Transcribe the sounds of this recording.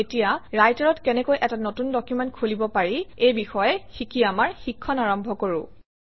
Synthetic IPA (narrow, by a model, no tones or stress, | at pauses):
etijaɹajtaɹɔtkɛnɛkojʔɛtanotundɔkjumɛntkʰulibɔpaɹiejbixɔjɛxikiamaɹxikʰːɔnaɹɔmbʱɔkoɹʊ̰